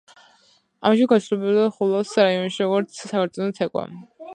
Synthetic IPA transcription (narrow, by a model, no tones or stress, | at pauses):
a̰maʃ̬ɛɡasʰulɛbɛbd̪aχulˠɔsɾaiɔnʃiɾɔɡɔɾt̪sʰsakʰaɾt̪sʼɔnɔt̪ʰɛkʼwa̰